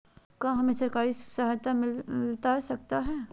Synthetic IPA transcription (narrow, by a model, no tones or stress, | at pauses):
kaɦɐmẽsɐɾkaːɾisɐɦajt̪amɪllt̪asɐk̚t̪aɦɛː